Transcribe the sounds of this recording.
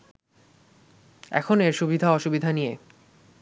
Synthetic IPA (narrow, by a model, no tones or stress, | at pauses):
ɛ̰kʰoneɾʃubid̪ʱaɔʃubid̪ʱanije